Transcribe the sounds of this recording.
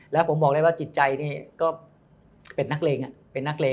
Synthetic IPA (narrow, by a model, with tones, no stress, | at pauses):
lɛː˦˥wpʰo˩˦mbɔː˨˩k̚da˥˩wa˥˩t͡ɕi˨˩t̪̚t͡ɕa˧jniː˥˩kɔː˥˩ | pe˧nːa˦˥k̚leː˧ŋʔa˨˩ʔpe˧nːa˦˥k̚leː˧